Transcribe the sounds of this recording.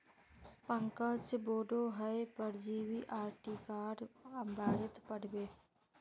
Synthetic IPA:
pə̃ŋkət͡ʃboːɖoɦəepəɾd͡ʒiːwiʔaːɾʈiːkaːɾbaːɾɪt̪pəɽbeː

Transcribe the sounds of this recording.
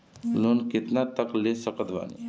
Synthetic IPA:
lonkɪt̪naːt̪əkleːsəkət̪ʋa̰ːnḭ

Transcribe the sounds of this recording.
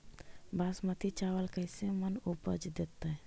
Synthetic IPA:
baːsmət̪ʰit͡ʃaːʋəlkəɪsemənupə̰d͡ʒd̪et̪ːə

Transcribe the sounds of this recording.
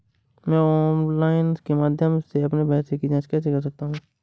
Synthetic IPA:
mɛ̃ːɔːnlaːɪnskemaːd̪ʱjəmseɐpnebʱɛːsekid͡ʒãːt͡ʃkɛːsekɐɾs̬ɐk̚t̪aɦũː

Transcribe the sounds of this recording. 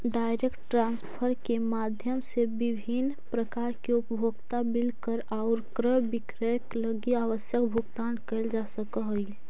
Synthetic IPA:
ɖaɪɾekʈʈɾãnspʰəɾkemad̪ʱjəmsebibʱin | pɾəkaːɾkeʊpbʱoɡt̪abɪlkəɾaʊɾkɾəbɪkɾəkləɡiaʋəsjəkbʱuɡt̪aːnkəɪld͡ʒasəkəɦəi

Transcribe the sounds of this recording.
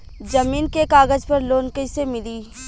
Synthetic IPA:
d͡ʒɐmiːnkekaːɡəd͡ʒpɐɾloːnkəisemɪliː

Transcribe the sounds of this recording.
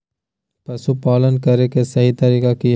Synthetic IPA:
pɐsupɔːlənkɐɾekesɐɦit̪ɐɾiːkakij

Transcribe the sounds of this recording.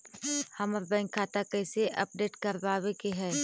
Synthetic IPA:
həməɾbɛ̃ːŋkʰːaːt̪akɛːseʔɐ̰p̚ɖeːʈkəɾbaːwekeɦɛː

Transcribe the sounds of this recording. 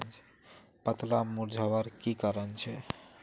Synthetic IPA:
nt͡ʃʰe̥ | pət̪lamuɾd͡ʒʱawaɾkikaɾənt͡ɕʰe

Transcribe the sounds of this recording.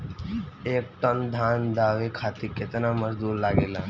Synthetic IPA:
eːk̚ʈənd̪ʱaːnd̪aːʋekʰat̪iket̪naməzd̪uːɾlaɡeːla

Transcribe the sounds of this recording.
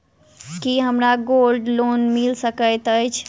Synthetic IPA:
kiɦəmɾaɡolɖlonmilsəkəjt̪əjt͡ʃʰ

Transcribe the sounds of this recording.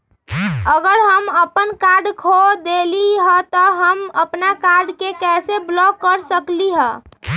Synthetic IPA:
əɡəɾɦəməpənkaɾɖkʰod̪eliɦət̪ɔɦəməpnakaɾɖkekɛseblɔkːəɾsəkliɦə

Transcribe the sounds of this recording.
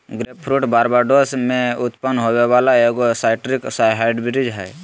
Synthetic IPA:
ɡɾeːp̚pʰɾuːʈbaːɾbaːɾɖosmẽʊt̪pənɦoweʋaːlaeːɡosaːɪʈɾiksajɦɛːɖbɪɾid͡ʒɦɛ̰ː

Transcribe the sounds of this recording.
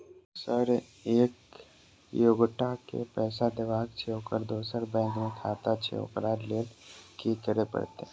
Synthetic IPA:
səɾ | eːk | joːɡʈakḛpɛːsad̪ɪʋaːɡt͡ʃʰeɦokəɾd̪oːsəɾbɛ̃ːŋkmẽkʰaːt̪at͡ʃʰḛo̰kɾaːɾleːlkikəɾepə̰ɽt̪e

